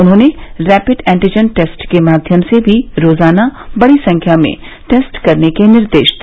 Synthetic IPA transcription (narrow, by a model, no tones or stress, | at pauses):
ʊnɦõːneɾɛːpɪɖɛ̃ːɳʈid͡ʒənʈeːsʈkemaːd̪ʱjəmsebʱiɾoːzaːnabɐɽisɐ̃ŋkʰjamḛ̃ | ʈeːsʈkɐɾnekenɪɾd̪eːʃd̪